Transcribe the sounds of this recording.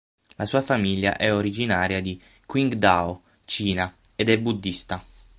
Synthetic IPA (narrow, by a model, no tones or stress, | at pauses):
lasuːafamilja̰ʔɛoɾid͡ʒinaːɾjad̪i | kwiŋɡd̪ao | t͡ʃiːnaed̪ɛbːud̪ːist̪a